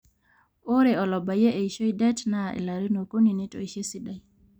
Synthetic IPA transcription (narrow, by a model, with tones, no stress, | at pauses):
o˦ɾe˨ɔ˨lɔ˨ba˨je˦ʔe˨i˨ʃo˦idɛ˦tna˦ɛ̰˨la˨ɾi˦no˨ko˦ni˨ne˦to̰˨i˨ʃe˦si˦da˨